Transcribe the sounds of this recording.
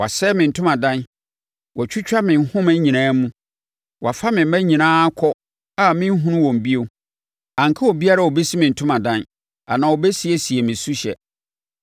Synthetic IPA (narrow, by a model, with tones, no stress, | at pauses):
wa̰˨sɛ˦mɪ̃˨n̩˨tʰʊ̃˦mã˨dã˦n | wʔɔ˨t͡ɕʰᶣu˦t͡ɕᶣa˦mɪ̃˨n˨˦hʊ̃˦mæ̃˦ɲĩ˨nãː˦mũ˦ | wa̰˨fa˦mɪ̃˨m̩˦mæ̃˦ɲĩ˨nãː˦kʰɔ˦ | a˦mɪ̃˦ɦũ˦nʊ̃˦wɔ̃˨m˨bi˦o˨ | ã˨ŋ˨kʰa˦wɔ˨bi˦a˦ɾa˦˨o˨bɛ˦si˦mɪ̃˨n̩˨tʰʊ̃˦mã˨dã˦n | a˨nãː˨wo˨bɛ˦si˦e˨si˨e˨mɪ̃˨su˦ɕɛ̰˨